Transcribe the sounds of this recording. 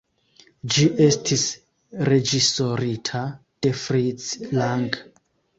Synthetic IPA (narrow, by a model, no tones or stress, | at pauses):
d͡ʒiʔe̞stʰis | re̞d͡ʒisoɾitʰa | d̥efɾit͡slaŋɡ